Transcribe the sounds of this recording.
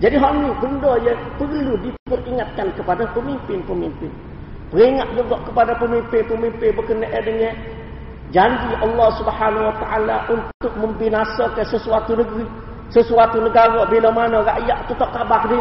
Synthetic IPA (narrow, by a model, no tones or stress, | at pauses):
d͡ʒadiɦɔʔnikəndɔjapərludit̪əbʊriŋat̪̚kankəpadapəmimpɪnpəmimpɪn | pəɾiŋat̪̚luɡɔʔkəpadapəmimpɪnpəmimpɪnbəkənəʔədəŋɛ | d͡ʒaɲd͡ʒiʔɑlːɑhsubhanawat̪aʔalaʔunt̪ʊk̚məmbinasakəsəsuat̪unəɡɾi | səsuat̪unəɡaɾɔbilɔmanɔɾaʔjaʔ̪t̪ut̪ɔʔ̚kabakdi